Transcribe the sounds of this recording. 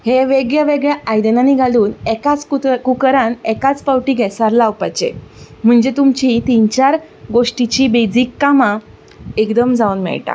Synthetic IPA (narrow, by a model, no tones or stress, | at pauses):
heʋeɡɭjaʋeɡɭjaajd̪enaniɡʱaluːnɛkat͡skukɾãnɛkat͡spawʈiːɡʱɛsaɾlawpat͡ɕḛm̤əɳd͡zet̪umt͡ɕit̪int͡ɕaɾ | ɡoʂʈit͡ɕiːbed͡ziːkːama | ekd̪əmd͡zaunmɛ̰ɭʈa̰